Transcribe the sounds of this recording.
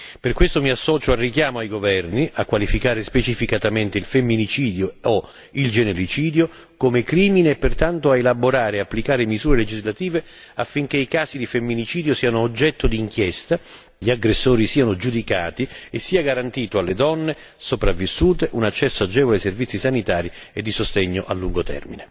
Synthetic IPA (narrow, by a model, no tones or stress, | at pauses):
perkwest̪omiasːɔːt͡ʃoalrːikjaːmoajɡovɛrniʔakːwalifikaːɾespet͡ʃifikat̪ament̪eilfemːinit͡ʃiːd̪joo | ild͡ʒenelit͡ʃiːd̪jo | komekɾiːmineːpːert̪ant̪oaelaboɾaːɾeapːlikaːɾemizuːɾeled͡ʒizlat̪iːve | afːiŋk̟eikaːsid̪ifemːinit͡ʃiːd̪josiːanoːd͡ʒːɛt̪ːod̪iːŋkjɛst̪a | ʎiaɡɾesːoːɾisiːanod͡ʒud̪ikaːt̪iesːiːaɡaɾant̪iːt̪oalːed̪ɔnːe | sopɾavːisːuːt̪eʔunat͡ʃːɛsːoad͡ʒɛːvoleservit̪sːisanit̪aːɾi | ed̪ːisost̪eɲːoʔalːuŋɡot̪ɛ̰rmine